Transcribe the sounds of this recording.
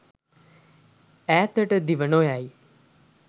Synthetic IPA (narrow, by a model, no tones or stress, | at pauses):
ɛːt̪əʈəd̪iʋənoːjaːiː